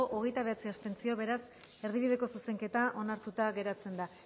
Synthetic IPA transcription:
oʔoɣ̞e̞jt̪aβe̞at͡siast̪e̞nt͡sio̞βe̞ɾas | e̞ɾð̞iβ̞iðe̞ko̞suse̞ŋke̞t̪aʔo̞naɾt̪ut̪aɣe̞ɾat͡se̞nd̪a

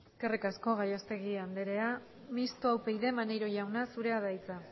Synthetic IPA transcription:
eskerikasko̞ɣajast̪e̞ɣiand̪eɾe̞a | mist̪uawpe̞jðe̞manejɾo̞ʝawnasuɾe̞aðajt͡sa

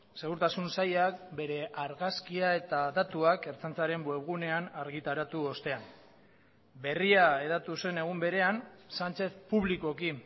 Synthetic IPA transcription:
se̞ɣ̞uɾt̪asunsajak̚be̞ɾe̞ʔaɾɣaskiae̞t̪aðat̪uake̞ɾt͡sant͡saɾe̞mbwe̞βɣune̞anaɾɣit̪aɾat̪uo̞st̪e̞an | be̞riae̞ðat̪use̞ne̞ɣ̞umbe̞ɾe̞ansant͡ʃe̞θpuβliko̞ki

